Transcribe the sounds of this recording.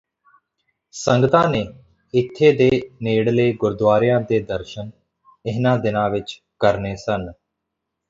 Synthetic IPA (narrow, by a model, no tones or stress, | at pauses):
səŋɡət̪ãːneː | ɪt̪ʰːeːd̪eːneːɽleːɡʊɾd̪ʋaːɾɪjãːd̪eːd̪əɾʃən | ɪɦnãːd̪ɪnãːʋɪt͡ʃ | kəɾneːsən